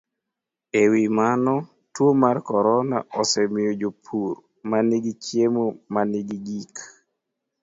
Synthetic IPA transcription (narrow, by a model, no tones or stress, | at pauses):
ewimanɔ | twomarkɔɾɔna̰ʔɔsɛmɪod͡ʒopʰuɾ | maniɡit͡ʃjemomaniɡiɡik